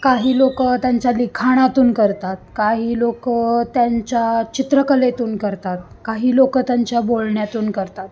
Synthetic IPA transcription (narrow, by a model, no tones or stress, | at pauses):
kaɦiːlokət̪jaɲt͡ɕjalikʰaɽ̃at̪uːnkəɾt̪at̪̚kaɦiːlokət̪jaɲt͡ɕjat͡ɕit̪ɾəkəlet̪uːnkəɾt̪at̪̚ | kaɦiːlokət̪jaɲt͡ɕjabolɳjat̪uːnkəɾt̪at̪